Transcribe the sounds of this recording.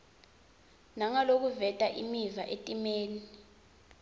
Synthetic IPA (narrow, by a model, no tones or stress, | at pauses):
naŋalok̬uvɛtʼaʔimivaʔetʼimeːni